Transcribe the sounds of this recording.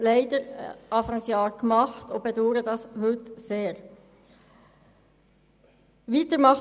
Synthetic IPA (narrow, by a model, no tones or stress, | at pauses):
læɪdəɾʔɑːfɑŋsjɑːɾkmɑχt̪ob̥ɛdoːɾədɑshʏtseːʁ | ʋiːt̪əɾmɑχ